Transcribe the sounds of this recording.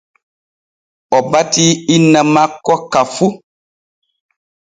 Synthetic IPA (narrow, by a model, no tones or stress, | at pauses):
ɔbatiinːamakːɔkafu